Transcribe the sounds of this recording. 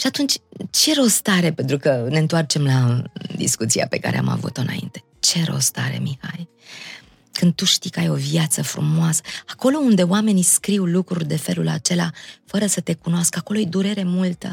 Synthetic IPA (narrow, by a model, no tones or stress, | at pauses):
ʃiat̪unt͡ʃʲt͡ʃe̞ɾo̞st̪aɾe̞pe̞nt̪ɾukəne̞nt̪oart͡ʃe̞mlad̪ḭskut̪sia̰pe̞ka̰ɾe̞̰a̰ma̰vṵt̪ɨnʔa̰ḭnt̪e̞̥ | t͡ʃe̞ɾo̞̰st̪aɾe̞̰mixa̰j | kɨnd̪̚t̪uʃt̪ikəajo̞viat̪səfɾṵmoasə̥ako̞lo̞und̪e̞owame̞niskɾiwlukɾurʲd̪e̞fe̞lula̰t͡ʃe̞la̰fəɾəsət̪e̞kunoaskako̞lo̞ed̪uɾe̞ɾe̞mult̪ə